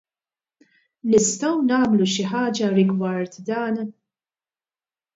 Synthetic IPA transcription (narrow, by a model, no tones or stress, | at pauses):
nɪst̪ɐwnɐːmluʃɪħɐːd͡ʒɐɾɪɡwɐɾt̪d̪ɐːn